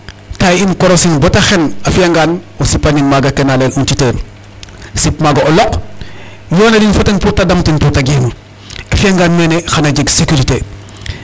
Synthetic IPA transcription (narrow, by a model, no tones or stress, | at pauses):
tajinkɔɾosinbɔtɐxɛnɐfaŋɡanɔsipːɐninmaɡɐkɛnaleːlʔuntiteːn | sipmaɡɐɔlɔk | jɔːnɐdinfɐtɐnputadɐmtinputaɡim | ɐfiaŋɡanmɛːnexanɐɟɐɡsekuɾite